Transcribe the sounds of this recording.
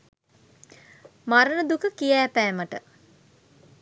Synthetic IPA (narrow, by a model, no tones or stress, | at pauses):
maɾənəd̪ukəkijæːpæːməʈə